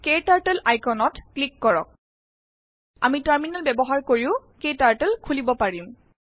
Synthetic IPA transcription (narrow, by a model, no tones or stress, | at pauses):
ketaɹʈelajkɔnɔtklikːɔɹɔ̰k̚ | a̰mitaɹminalbɛbɔɦaɹkoɹiʊ̃ketaɹʈelkʰulibɔpaɹim